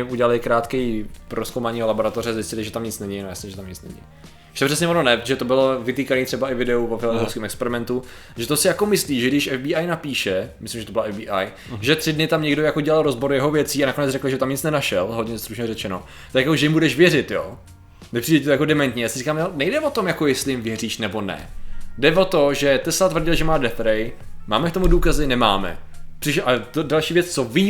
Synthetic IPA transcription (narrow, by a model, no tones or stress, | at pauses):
ɪuɟɛlalɪkɾaːt̪kɛjpɾoskowmaɲiːɦolaboɾat̪orɛazɪscɪlɪʒɛt̪amɲɪt͡snɛɲɪnojasɛʒɛt̪amɲɪt͡snɛ̰ɲɪ̰ | ɛt̪opr̥ɛs̬ɲɛononɛpɾot̪oʒɛt̪obɪlovɪt̪iːkaniːt̪r̥ɛbaʔɪvɪdɛuvofɪlozowskimɛkspɛɾɪmɛnt̪u | ʒɛt̪osɪjako̞mɪsliːʒɛɡdɪʃɛvbiːajnapiːʃɛmɪslɪmʒɛt̪obɪlaɛvbiːʔaj | ʒɛt̪r̥ɪdnɪt̪amɲɛɡdojakoɟɛlalɾozboɾjɛɦovjɛt͡siːanako̞nɛt͡srɛkl̩ʒɛt̪amɲɪt͡snɛnaʃɛlɦod̪ɲɛst̪ɾuʃɲɛrɛt͡ʃɛno | t̪akjakoʒɛjɪmbudɛʃvjɛrɪt̪jo̰ː | nɛpr̥idɛcɪt̪ojakodɛmɛnt̪ɲɛjaːsɪrikaːmonɛjdɛvot̪omjakojɛstlɪjɪmvjɛriːʃnɛbo̞nɛ̰dɛvot̪oʒɛt̪ɛslat̪vr̩ɟɪlʒɛmaːdɛfɾɛjma̰ːmɛk̚t̪omuduːkazɪnɛma̰ːmɛ̰ | pr̥ɪʃʔat̪odalʃiːvjɛt͡st͡soviː